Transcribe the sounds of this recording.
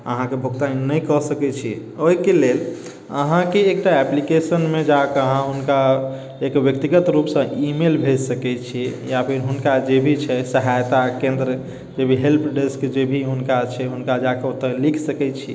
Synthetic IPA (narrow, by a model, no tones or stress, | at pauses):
ə̰ɦãkebʱuɡt̪aĩnəjkəsəkɛt͡ʃʰi | oikelel | əɦãkeːk̚ʈaɛplikesənmed͡ʒakeəɦãɦunka | ekbjəkt̪iɡət̪ɾupsə̃ʔimelbʱesəkɛt͡ʃʰijapʰiɾɦunkad͡ʒebʱit͡ʃʰɛsəɦajt̪akẽnd̪ɾə | d͡ʒebʱiɦelpʰɖiskd͡ʒebʱiɦunkat͡ʃʰɛɦunkad͡ʒakeot̪əlikʰsəkɛt͡ʃʰi